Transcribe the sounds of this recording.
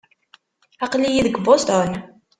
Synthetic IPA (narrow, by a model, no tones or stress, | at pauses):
ɑqlijiðəɡbost̪on